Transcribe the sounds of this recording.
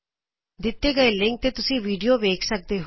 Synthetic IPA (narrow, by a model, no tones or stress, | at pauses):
d̪ɪt̪ːeːɡəeːlɪ̃ŋk̚t̪eːt̪ʊsĩːʋiːɖijoːʋeːkʰsək̚d̪eːɦ